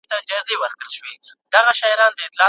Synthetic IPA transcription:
t̪aɪd͡ʒɑzewəɾkɽəlʃwe | d̪̥aɣaʃɑjɾɑnd̪əɪt̪lɑ

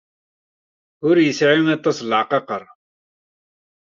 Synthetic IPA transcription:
ʊɾjəsʕinɑt̪ˤːɑslʕqɑqəɾˤ

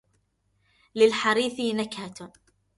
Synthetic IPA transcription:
lɪlħaɾiːθɪnakha

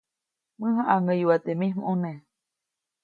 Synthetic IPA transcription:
mɨ̃ɦãʔaŋəjwat̪emĩhmʔunẽ

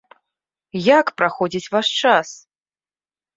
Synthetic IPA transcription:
jakpɾaxɔd͡zʲit͡sʲvaʂt͡ʂas

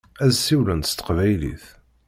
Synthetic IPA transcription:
æzsːiwlənt̪st̪ə̥qvæjlḭθ

